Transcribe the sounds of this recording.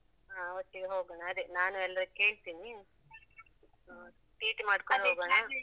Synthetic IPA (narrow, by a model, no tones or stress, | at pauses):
ɦaːoʈ̪ːiɡeɦoːɡɐːɳaːd̪enaːnuɛlːɐɾuke̞ːɭt̪iːni | ʈiːʈmaːɖkoɳɖɦoːɡɐɳa